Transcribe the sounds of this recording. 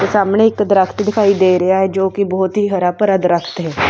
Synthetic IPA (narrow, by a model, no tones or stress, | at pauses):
kesaːmɳeɪkd̪ɾəkʰt̪d̪ɪkʰaːid̪eːɾəaɦɛd͡ʒoːkibɔːt̪ɦiːɦəɾaːpəɾəd̪ɾəkʰt̪ɦɛː